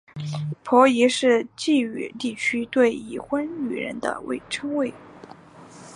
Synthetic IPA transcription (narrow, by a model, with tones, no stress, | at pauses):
pʰɔ˧˥i˧˥ʂɻ̩˥˧t͡ɕi˥˩y̰˨˩t̪i˥˩t͡ɕʰy˥t̪we˥˩ɪḭ˨˩xwə˥ny̰˨˩ɻə̰˧˥nd̪ə̰˧wḛ˥˩ɪʈ͡ʂʰɤ˥ŋwe˥˩ɪ